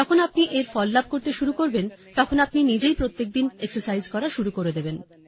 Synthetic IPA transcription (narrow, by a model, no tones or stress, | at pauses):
ɔkʰonap̚niʔeɾfɔlːab̚ʱkoɾt̪eʃuɾukoɾbent̪ɔkʰonapninid͡ʑejpɾot̪ːek̚d̪ineksoɾsajzkɔɾaʃuɾukoɾed̪eben